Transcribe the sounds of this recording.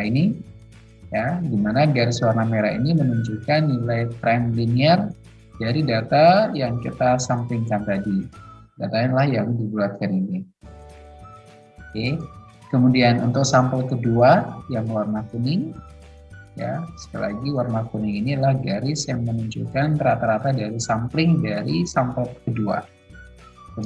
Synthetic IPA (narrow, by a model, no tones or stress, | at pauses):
ini | jadimanaɡaɾɪswarnameɾainimənuɲd͡ʒukanːilajpɾɛmliniɛr | daɾidat̪ajaŋkit̪asampɪŋkant̪adi | dat̪ainilahjaŋdibuat̪̚kanini | ke | kəmudianunt̪ʊk̚sampəlkəduajaŋwarmakunɪŋ | ja̰sə̥kala̰ɡiwarmakunɪŋinilahɡaɾɪsjaŋmənuɲt͡ʃulkanɾat̪aɾat̪adaɾisampɾɪŋdaɾisampəlkədua̰ | kə